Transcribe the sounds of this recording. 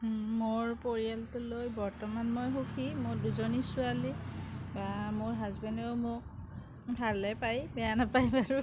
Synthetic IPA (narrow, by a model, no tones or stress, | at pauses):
moɹpoɹialtʊlojbɔɹtɔmanmojɦukʰimoɹduzonisʊalibamoɹɦazbɛndɛʊmʊk̚ | bʱalɛpajbɛjanapajbaɹu